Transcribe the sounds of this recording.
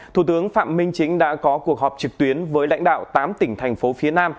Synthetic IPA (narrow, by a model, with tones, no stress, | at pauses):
t̪ʰu˧˩t̪ɨ˨˦əŋfa̰ː˧˨mmï˧ŋ̟t͡ɕï˨˦ŋ̟ɗa̰ː˧˥kɔ˨˦ku˨˩ək̚hɔː˨˩p̚t͡ɕɨ˨˩k̚t̪wi˨˦ənvəː˨˦jla̰˧˥jŋ̟ɗa̰ː˧˨wt̪aː˨˦mt̪ï˧˩ŋ̟t̪ʰa˨˩jŋ̟fo˨˦fi˨˦ənaː˧m